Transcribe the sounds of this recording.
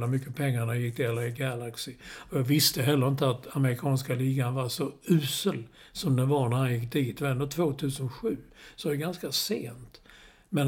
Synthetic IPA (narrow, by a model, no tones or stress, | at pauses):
lamʏkːəpʰɛŋːaɳajɪkːt̪ɪɛlːəɾɪɡalaksɪɔjɑːɡvɪst̪əɦɛlːəɾɪnt̪əat̪aməɾɪkʰɑːnskaliːɡanvaʂɔʉ̟ːsəl | sɔmd̪ɛvaɳæɾhanjɪkːd̪iːt̪vaɛnd̪oːt̪ʰvoːt̪ʰʉ̟ːsənɧʉ̟ːsɔvadɛɡanskasḛːnt̪ | mɛn